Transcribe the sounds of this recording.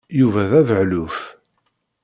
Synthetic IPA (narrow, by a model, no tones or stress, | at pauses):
juvæðævəʕlʊf